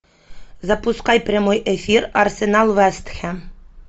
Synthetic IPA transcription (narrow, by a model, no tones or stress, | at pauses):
zapuskɑjpɾʲɛmojʔefiɾarsenalˠʋæst̪xæ